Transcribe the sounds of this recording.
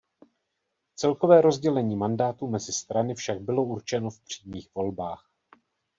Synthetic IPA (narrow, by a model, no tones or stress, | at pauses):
t͡sɛlko̞vɛːɾo̞zɟɛlɛɲiːmandaːt̪umɛzɪst̪ɾanɪfʃaɡ̚bɪlo̞uɾt͡ʃɛno̞fpr̝̥iːmɲiːxvo̞lbaːx